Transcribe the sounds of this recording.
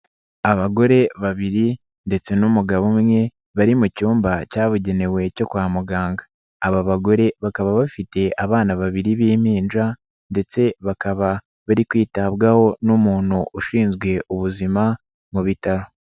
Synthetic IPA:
aβaɡo̞ɾe̞βaβiɾi | nde̞t͡se̞numuɡaβumŋe̞ | βaɾimucuːmbacaːβuɟe̞ne̞we̞co̞kwaːmuɡaːŋɡaː | βaβaɡo̞ɾe̞βakaβaβafite̞ʔaβaːnaβaβiɾiβiːmiːnʒa | nde̞t͡se̞βakaβa | βaɾikwiːtaβɡaho̞numuːn̥huʔuʃiːnzɡwe̞ʔuβuzima | muβitaɾo̞

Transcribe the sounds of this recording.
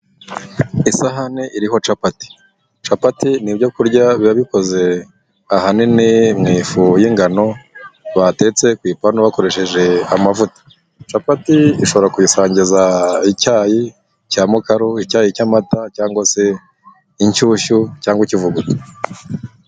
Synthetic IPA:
isaɦaneʔiɾiɦo̞t͡ʃapati̥ | t͡ʃapatinibɟo̞kuɾɟaβiβaβiko̞ze̞ | ahaninimŋiːfujiŋɡano̞βate̞t͡se̞kwiːpanoβako̞ɾe̞ʃe̞ʒe̞amavutḁ | t͡ʃapatiiʃo̞βo̞ɾakujisaːɲɟizaicaːji | caːmukaɾuicaːjicamatacaːŋɡwose̞ | iɲt͡ʃuːʃucaːŋɡwicivuɡuto̥

